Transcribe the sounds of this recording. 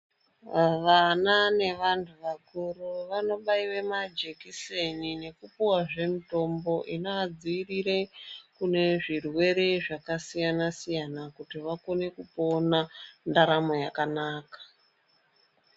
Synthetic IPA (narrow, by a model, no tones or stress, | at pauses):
ʋanane̞ʋantʰuʋakuruʋano̞ɓaiwe̞mad͡ʒe̞kisenine̞kupuwaʐe̞mito̞mbo̞ʔinoad͡ziːriɾe̞kune̞ʐirwe̞ɾe̞ʐakasijanasijanakutiʋako̞ne̞kupo̞nandaɾamo̞jakanaːkḁ